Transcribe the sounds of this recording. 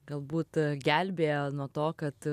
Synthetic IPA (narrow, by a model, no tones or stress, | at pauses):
ɡ̥ɐlˠbuːt̪ɡʲælʲbʲeːjonuɔt̪oːkɐt̪